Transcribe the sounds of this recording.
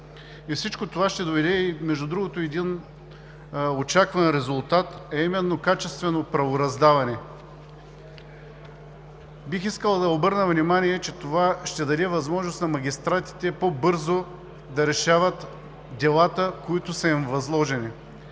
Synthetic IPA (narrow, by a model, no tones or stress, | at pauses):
ifsit͡ʃkot̪ovaʃt̪ɛd̪ovɛd̪ɛimɛʒd̪ʊd̪ɾuɡot̪oɛd̪in | ot͡ʃakvɐnɾɛzʊlˠt̪at̪ɛimɛnːokat͡ʃɛst̪vɛnopɾɐvoɾɐzd̪avɐnɛ | bixiskəlˠɐd̪ɐobɤɾnəvnimaniɛt͡ʃɛt̪ovaʃt̪ɛd̪ɐɾɛvɐzmɔʒnost̪nɐmɐɡʲist̪ɾat̪i̥t̪ɛpobɤɾzo | d̪ɐɾɛʃavət̪ | d̪ɛlˠat̪əkoit̪ʊsɐimvɐzlˠɔʒɛni